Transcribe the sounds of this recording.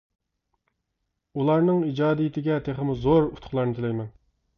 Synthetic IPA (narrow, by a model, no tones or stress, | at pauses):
ulˠɑɾnɨŋid͡ʒɑːd̪ijit̪ʰɪɡʲɛt̪ʰeχɪmuzoɾut̪ʰʊ̥χlˠɑɾnɨt̪ʰɪlɛjmɛn